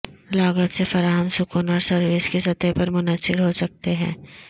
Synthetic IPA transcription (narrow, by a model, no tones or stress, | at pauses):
laːɡət̪sefɐɾaːɦəmsʊkʊnɔːɾsɐɾʋɪskesɐt̪ɛpɐɾmʊnəsɪɾɦosɐk̚t̪eɦɛ̰̃ː